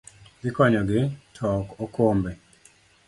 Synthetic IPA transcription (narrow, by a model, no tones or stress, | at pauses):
dɪkɔɲɔɡɪtʰɔkokombɛ